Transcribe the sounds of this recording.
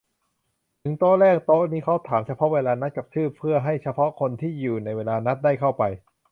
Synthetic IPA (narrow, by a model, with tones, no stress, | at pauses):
t̪ʰɯ˨˩˦ŋt̪oː˥lɛː˥˩k̚t̪o˦˥niː˥˩kʰa˦˥wt̪ʰaː˩˦mt͡ɕʰa˧pʰɔ˦˥weː˧laː˧na˦˥t̪̚ka˨˩p̚t̪ʰɯː˥˩pʰːɯ˥˩ɐɦa˥˩jt͡ɕʰa˧pʰɔ˦˥ʔkʰo˧nt̪ʰiː˥˩juː˨˩na˧jweː˧laː˧na˦˥t̪̚daː˥˩jkʰa˥˩wpa˧j